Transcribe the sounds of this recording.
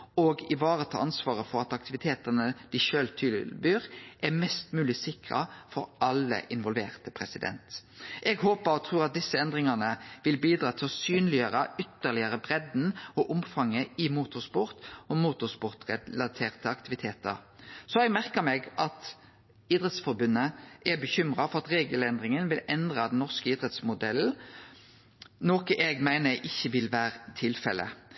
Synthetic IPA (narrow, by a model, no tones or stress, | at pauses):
oɡɪʋɑːɾət̪ʰɑ̰ːɑnsʋɑːʁəfɔɾɑt̪ɑk̚t̪ɪʋɪt̪ʰeːt̪ənəd̪̥ɪʃøːlt̪ʰʏlbyːɾʔɛmɛst̪mʉːlɪsɪkʁɑ̰fɔɾʔɑlːə̰ʔɪnʋɔlʋḛːʁt̪əpʰɾɛsɪd̪ɛ̰nt̪ʔɛɡhoːpəɾɔt̪ʰɾuːʁɑt̪̚d̪ɪsːəɛnd̪ʁɪŋɑnəʋɪlbiːd̪ɾɑːt̪ʰɪlɔsyːnlɪøəɾəʏt̪ːəlɪəɾəbʁɛd̪n̩ɔʔʊmfɑŋːəɪmuːt̪ʊspʊɾt̪ɔmuːt̪ʊspʊʁt̪ʁɛlɑt̪ʰeːʁt̪ʰəɑkt̪ɪʋɪt̪ʰeːt̪ə̰ʁsɔɛɡmæʁkəmɛːɡʔɑt̪ | iːd̪ʁɛt̪sfɔɾbʉnːəʔɛbəçʏmʁɑfɔʁɑt̪ʁeːɡəlɛnd̪ʁɪŋənʋɪlɛnd̪ʁɑd̪ɛnnːɔʁskəiːd̪ɾɛt̪smʊd̪ɛl̩ | noːkəʔɛɡmæɪnəʔɪçːəʋɪlʋæːʁət̪ʰɪlfɛ̰lʔə̰